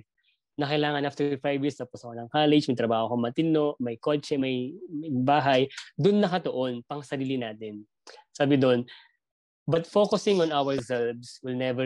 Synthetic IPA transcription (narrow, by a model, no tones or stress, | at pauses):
nɐkɐjlaːŋɐnʔaft̪ɛfajvjɪːɹst̪ɐposɐkonɐŋkaːlɛd͡ʒmɐjt̪ɾɐbaːhokoŋmɐt̪ɪno̞ʔmɐjkot͡ʃɛmɐjjbaːɦɐjd̪ʊnːɐkɐt̪oʔonpɐŋsɐɾiːlɪnaːt̪ɪn | saːbɪd̪on | bɐt̪fokʊsɪŋɔ̃nawɛɹzɛlbswɪlnɛvɛ